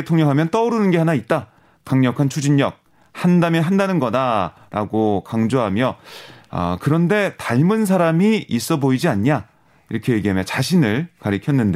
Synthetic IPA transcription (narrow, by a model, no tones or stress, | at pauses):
etʰoŋɲʌŋɦamjʌnt͈ʌuɾɯnɯnɡe̞ɦanait̚t͈a | kaŋɲʌkʰant͡ɕʰud͡ʑiɲːʌk̚ | handamjiɦandanɯnɡʌda | ɾa̰ɡokaŋd͡ʑoɦamjʌʌ̰kɯɾʌnde̞taɭmɯns̬ʰaɾamiis͈ʌboid͡ʑiaɲɲa | iɾʌkʰe̞je̞ɡiɦamjʌt͡ɕaɕʰinɯɭkaɾikʰjʌnːɯnde